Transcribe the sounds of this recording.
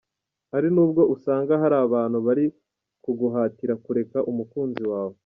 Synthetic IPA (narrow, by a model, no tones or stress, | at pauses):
haɾinuːbɡo̞ʔusaːŋɡaɦaɾaːβaːn̤̥huβaɾi | kuɡuɦaːtiɾakuɾe̞kaʔumukuːnziwaːβo̞